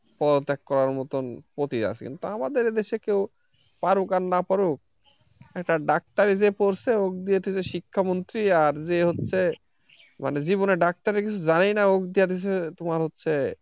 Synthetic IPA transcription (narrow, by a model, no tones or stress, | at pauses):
pɔd̪ot̪ːekkɔɾaɾmɔt̪onpɾot̪ia̰sʰkḭnt̪uamad̪eɾd̪eʃekew | paɾukaɾnapaɾuk̚ | ɛkʈaɖak̚t̪aɾed͡ʑepoɾsʰeokd̪ijet̪ʰit͡ɕʰeʃikʰːamont̪ɾiaɾd͡ʑeɦotːɕʰe | ma̰ned͡ʑiβoneɖak̚t̪aɾekit͡ɕʰud͡ʑanejnaokd̪ijat̪it͡ɕ̬ʰet̪omaɾɦotːɕʰe